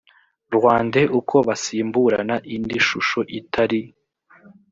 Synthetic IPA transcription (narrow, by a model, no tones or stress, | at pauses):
ɾwaːndeʔukʰo̞βasiːmbuɾa̰naʔindiʃuʃoʔitʰaɾi